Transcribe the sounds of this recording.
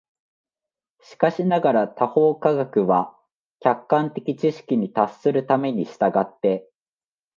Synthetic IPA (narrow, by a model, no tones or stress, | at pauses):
ɕi̥kaɕinaɡaɾat̪aho̞ːkaɡakɯ̟βa | kʲakːãnt̪e̞kʲit͡ɕiɕi̥kʲiɲ̟it̪asːɨɾɯ̟t̪ame̞ɲ̟iɕi̥t̪aɡat̪ːe̞